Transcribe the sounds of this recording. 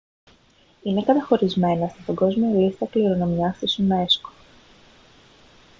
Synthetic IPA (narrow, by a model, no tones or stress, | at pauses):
ine̞kɐt̪ɐxo̞ɾizme̞nɐst̪ipɐɡo̞zmiɐlist̪ɐkliɾo̞no̞miɐst̪isune̞sko̥